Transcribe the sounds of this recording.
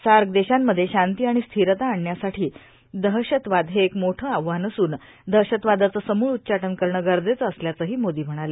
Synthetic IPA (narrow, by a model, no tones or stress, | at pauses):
saɾɡd̪eɕamːəd̪ʱːjeɕant̪iːaɽ̃ist̪ʰiɾət̪aːɳːjasaʈʰiː | d̪əɦɕət̪ʋad̪ʱɦeːkmoʈʰəaʋːanəsuːn | d̪ʱəɦɕət̪ʋad̪at͡səːsəmuːɭut̪̚ːt͡ɕaʈənkəɾɳəɡəɾd͡zet͡səːsljat͡səːɦiːmod̪iːm̤əɽ̃ale